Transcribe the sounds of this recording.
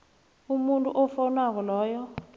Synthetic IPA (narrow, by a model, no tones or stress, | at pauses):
umuntʼṵʔɔfɔnak̬ɔlɔːjɔ